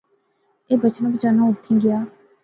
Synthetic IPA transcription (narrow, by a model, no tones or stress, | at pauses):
eːbət͡ʃənbət͡ʃaːnãːʊt̪ʰːĩːɡɪjaː